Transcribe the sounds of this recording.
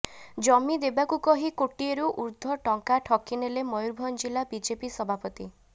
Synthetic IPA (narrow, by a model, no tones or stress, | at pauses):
d͡ʒɔmid̪ebakukɔɦikoʈieɾuʔuɾd̪ʱɔʈɔŋkaʈʰɔkinelemɔjuɾbʱɔnd͡ʒilabid͡ʒepisɔbʱapɔt̪i